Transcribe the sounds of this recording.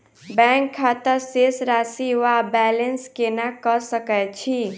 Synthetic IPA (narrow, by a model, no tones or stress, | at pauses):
bɛ̃ŋkʰːat̪əɾsesɾasiʋabɛlənskenakəɾsəkɛt͡ʃʰi